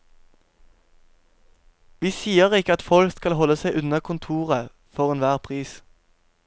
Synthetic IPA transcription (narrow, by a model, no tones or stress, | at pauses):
ʋiːsiːəʁɪkəɑt̪fɔlskɑlhɔləsæɪʔʉnəkʰʊnt̪ʰuːʁə | fɔʁɛnʋæːʁpʰʁiːs